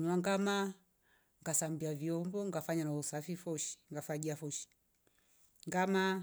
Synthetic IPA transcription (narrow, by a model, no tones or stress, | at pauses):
ɲwaŋɡama | ŋɡasambiaviɔmbɔŋɡafaɲanausafifɔʃi̥ŋɡafaɡiafɔʃi̥ | ŋɡama